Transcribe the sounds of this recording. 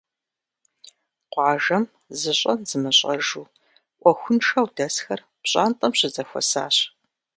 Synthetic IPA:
qʷɑːʒɐm | zɨɕʼɐnzɨmɨɕʼɐʒuː | ʔʷɔxʷʊnʂɐwdɐsxɐr | pɕʼa̰ːntʼɐmɕɪzɐxʷɔ̰sa̰ːɕ

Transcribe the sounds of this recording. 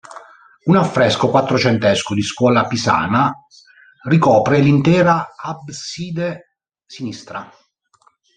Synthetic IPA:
unafːɾɛskokwat̪ːɾot͡ʃɛnt̪ɛskod̪iskwɔːlapisa̰ːna | rikɔːpɾelint̪ɛːɾaabsiːd̪e | sinist̪ɾa̰

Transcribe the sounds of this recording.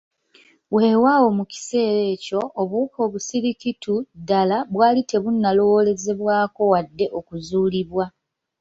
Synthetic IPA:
we̞ːwaːwo̞muci̥se̞ːɾe̞ːco̞ʔːβuko̞ːβusiɾikitudalaβwaːlite̞βunːalo̞wole̞ze̞βwaːko̞wadːe̞ʔo̞kuzuːliβwa

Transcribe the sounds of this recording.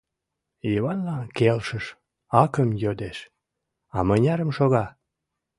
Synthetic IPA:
iβɑnlɑkelʃəʃ | ɑkəmjød̪eʃ | ɑmənʲɑɾəmʃoɣɑ

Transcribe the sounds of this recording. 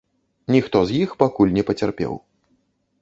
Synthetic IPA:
nʲixt̪ɔzjixpakulʲnʲɛpɐt͡sʲarpʲɛ̰w

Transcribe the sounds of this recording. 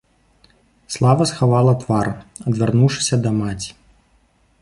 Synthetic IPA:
slˠavɐsxavalˠɐt̪vaɾɐd̪vʲarnuwʂɨ̥sʲɐd̪ɐmat͡sʲi̥

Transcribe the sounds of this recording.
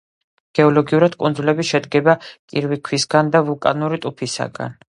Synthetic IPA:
ɡ̥ɛɔlɔɡiuɾad̪kʼunzulɛbiʃɛd̪ɡɛbakʼiɾvikʰwisɡand̪avulˠkʼa̰nuɾit̪ʼupʰisa̰ɡa̰n

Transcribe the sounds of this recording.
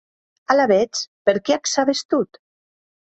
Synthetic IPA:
alaβɛt͡spəɾkeaksaβest̪ut̪

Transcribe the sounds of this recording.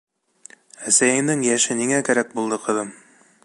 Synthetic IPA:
æsæjɘ̆mnd̪ɘŋjæʃɘniŋækæɾæk̚bulˠd̪ɤqɤ̆ðɤm

